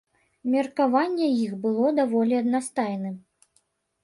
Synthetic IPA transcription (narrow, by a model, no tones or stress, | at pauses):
mʲɛrkavanʲːɛjixbɨlˠɔd̪avɔlʲiɐd̪nast̪ajnɨm